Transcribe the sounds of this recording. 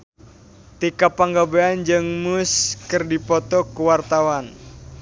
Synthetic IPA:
t̪ikapaŋɡabeand͡ʒɨŋmuskɨrdipɔt̪ɔkuwart̪awan

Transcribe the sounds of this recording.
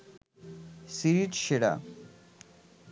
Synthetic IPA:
siɾiʈʃeɽa̰

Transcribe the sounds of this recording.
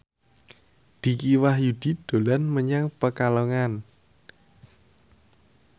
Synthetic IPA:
d̪̥i̤kiwahjud̪̥i̤d̪̥o̤lanməɲaŋpəkalɔŋan

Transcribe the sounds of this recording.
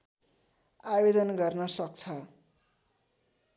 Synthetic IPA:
abed̪ʌnɡʌrnʌsʌkt͡sʰʌ

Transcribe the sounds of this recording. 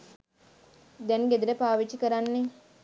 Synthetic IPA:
d̪ɛŋɡed̪uɾəpaːʋit͡ʃikəɾanːe

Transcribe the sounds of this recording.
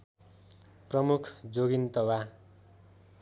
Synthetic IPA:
prʌmukʰd͡zoɡint̪ʌwa

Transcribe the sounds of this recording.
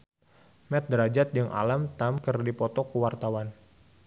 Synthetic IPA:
mɛt̪̚dɾad͡ʒat̪̚d͡ʒɨŋʔa̰lamt̪amkərdipɔt̪ɔkuwart̪awan

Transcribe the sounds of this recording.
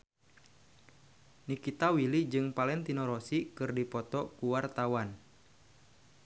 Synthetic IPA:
nikit̪awilid͡ʒɨŋpalɛnt̪inɔɾɔsikɨrdipɔt̪ɔkuwart̪awan

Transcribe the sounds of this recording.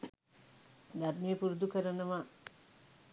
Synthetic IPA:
d̪arnijəpuɾud̪ukəɾənəʋa

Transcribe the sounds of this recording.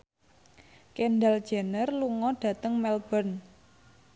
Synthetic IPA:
kenɖal̥d͡ʒ̥anərluŋɔɖ̥ä̤t̪əŋmɛlb̥ən

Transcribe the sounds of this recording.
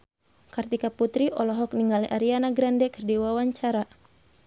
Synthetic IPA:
kart̪ikaput̪ɾiʔɔlɔɦɔk̚niŋɡaliʔaɾianaɡɾandɛkərdiwawaɲt͡ʃaɾa

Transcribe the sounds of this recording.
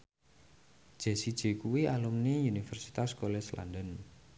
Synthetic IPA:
d̥ʒ̥e̤sid̥ʒ̥e̤kuwialumniunifɛrsi̥t̪askolɛsla̰ndən

